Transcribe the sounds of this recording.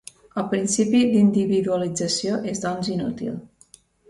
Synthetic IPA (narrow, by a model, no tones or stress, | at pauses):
əlˠpɾinsipid̪ind̪iβiðuəlid͡zəsioʔezd̪ɔnzinṵt̪ḭlˠ